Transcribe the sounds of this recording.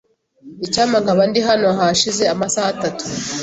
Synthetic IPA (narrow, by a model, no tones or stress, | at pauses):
icaːmaŋkaβandiɦanoɦaʃize̞amasaːtatu̥